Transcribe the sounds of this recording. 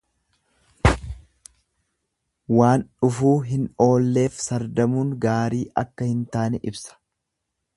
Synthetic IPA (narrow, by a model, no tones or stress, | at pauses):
waːnᶑʊfuːɦɪno̞ːlːe̞ːfsɐɾd̪ɐmuːŋɡaːɾiːʔɐkːɐhɪnt̪aːnɛʔɪbsɐ̥